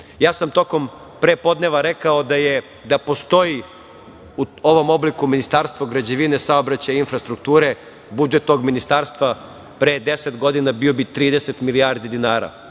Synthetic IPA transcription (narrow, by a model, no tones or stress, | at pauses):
jaːsamt̪o̞ko̞m | pɾeːpo̞d̪ne̞ʋaɾekao̞d̪aje | d̪apo̞st̪o̞ji | uo̞ʋo̞mo̞blikuminist̪aːɾst̪ʋoɡɾad͡ʑeʋinesaobɾat͡ɕajinfɾast̪ɾuk̚t̪uːɾe̞ | bud͡ʒet̪no̞ɡminist̪aːɾst̪ʋa | pɾeːd̪e̞set̪ɡo̞d̪inabio̞bit̪ɾiːd̪ese̞t̪miliaːɾd̪id̪inaːɾa̰